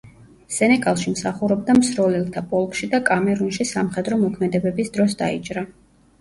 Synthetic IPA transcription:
sɛnɛɡʼalˠʃimsaχuɾɔbd̪amsɾɔlɛlˠt̪ʰapʼɔlˠkʼʃid̪akʼamɛɾunʃisamχɛd̪ɾɔmɔkʰmɛd̪ɛbɛbisd̪ɾɔs̬d̪a̰it͡ʃʼɾa

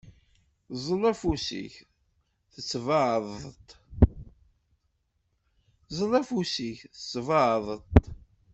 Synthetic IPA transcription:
zˤəlæfusḭç | θət͡sːvəʕðˤt̪ | zˤəlæfusiçθət͡sːvəʕðˤət̪

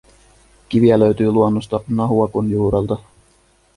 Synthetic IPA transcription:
kiʋiæløɥt̪yːluonːost̪ɑnɑɦuɑkunjuːɾelt̪ɑ

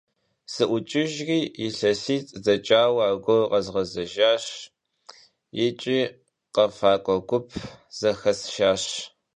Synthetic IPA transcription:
sɨʔʷʊt͡ʃʼɪʒriːjɪɬɐsiːt͡sʼzɐt͡ʃʼaːwaːɡʷɔqɐzʁɐzɐʒaːɕ | jɪt͡ʃʼiː | qɐfaːkʷʼɔɡʷʊpʰz̥ɐxɐsʃaːɕ

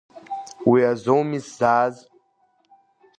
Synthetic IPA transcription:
wiazowmiszaːz

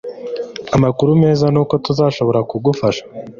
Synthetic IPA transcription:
amakuɾume̞ːzanuːko̞tuzaːʃo̞βo̞ɾakuɡufaʃḁ

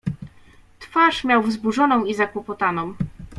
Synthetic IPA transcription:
t̪faʂmʲjawvzbuʐɔnɔ̃w̃izakwɔpɔt̪anɔ̃w̃

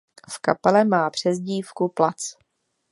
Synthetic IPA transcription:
fkapɛlɛmaːpr̝̥ɛzɟiːfkuplat͡s

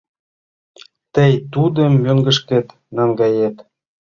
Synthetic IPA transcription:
t̪əjt̪ud̪ə̆mːøŋɡə̆ʃket̪ | nɑŋɡɑjet̪

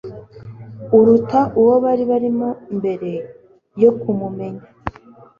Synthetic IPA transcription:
uɾutaʔuwo̞βaɾiβaɾimo̞mbe̞ɾe̞ | jo̞kumume̞ɲa

